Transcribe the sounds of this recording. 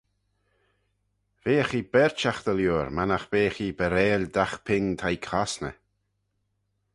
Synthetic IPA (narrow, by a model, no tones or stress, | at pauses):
veːxiːbɛɾt͡ʃaxd̪əljuːɾmanaxb̥eːxiːbəɾeːlʲd̪axpʰɪŋt̪ʰajkʰasnə̰